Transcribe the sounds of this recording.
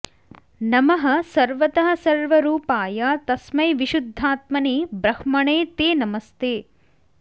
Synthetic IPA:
nɐmɐɦɐ̆sɐɾʋɐt̪ɐɦɐ̆sɐɾʋɐɾuːpaːjat̪ɐsmɐjʋiʃud̪ʱːaːt̪mɐniːbɾɐhmɐɳeːt̪eːnɐmɐst̪eː

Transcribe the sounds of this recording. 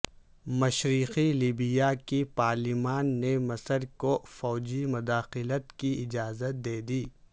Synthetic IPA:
mɐʃɾiːqiliːbɪjakipaːɾlɪmaːnːemɐsəɾkofɔːd͡ʒimʊd̪aːxɪlət̪kiɪd͡ʒaːzət̪̚d̪eːd̪iː

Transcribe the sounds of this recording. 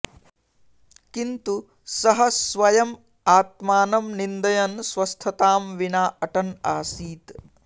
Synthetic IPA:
kint̪u | sɐɦɐsʋɐjɐm | aːt̪̚maːnɐmnind̪ɐjɐnsʋɐst̪ʰɐt̪aːmʋinaːʔɐʈɐnaːsiːt̪

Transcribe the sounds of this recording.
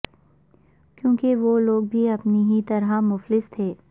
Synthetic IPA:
kjõːkeʋoloːɡ̚bʱiɐpniɦit̪ɐɾɦamʊflɪst̪ʰeː

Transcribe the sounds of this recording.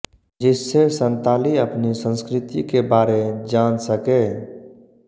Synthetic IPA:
d͡ʒɪsːesə̃nt̪aːliəpnisə̃nskɾɪt̪ikebaːɾed͡ʒaːnsəke

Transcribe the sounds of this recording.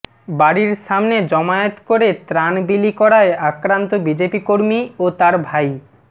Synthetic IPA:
baɽiɾʃamned͡ʑɔmaot̪koɾet̪ɾanbilikɔɾaeakɾant̪obid͡ʑepikoɾmiot̪aɾbʱaj

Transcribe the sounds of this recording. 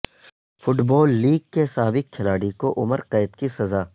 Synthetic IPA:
fʊʈbɔːlːiːɡ̚kesaːbɪkʰːɪlaːɽikoʔʊməɾqeːɪt̪kisɐzaː

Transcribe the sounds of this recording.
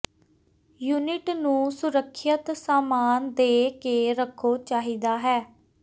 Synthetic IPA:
juːnɪʈnũːsʊɾəkʰːət̪saːmaːnd̪eːkeːɾəkʰoːt͡ʃaːɦiːd̪aːɦɛː

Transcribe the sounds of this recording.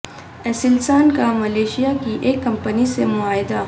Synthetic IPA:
esɪlsaːnkamɐleːʃijakiʔeːkːɐmpənisemʊaːɪd̪a

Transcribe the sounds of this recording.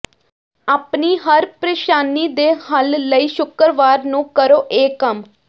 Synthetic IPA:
aːpniːɦəɾpɾeːʃaːniːd̪eːhəlləiːʃʊkəɾʋaːɾnũːkəɾoːʔeːkəm

